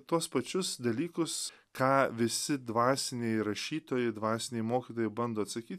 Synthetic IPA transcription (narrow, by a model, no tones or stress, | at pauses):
t̪uɔspɐt͡ʃʲʊsd̪ɐlʲiːkʊs | kɑːʋʲɪsʲɪd̪ʋɑːsʲɪnʲeːjɾɐʃʲiːt̪oːjɛɪd̪ʋɑːsʲɪnʲeːjɪmoːkʲit̪oːjɛɪbɐnd̪oːɐt̪sɐkʲiːt̪ʲ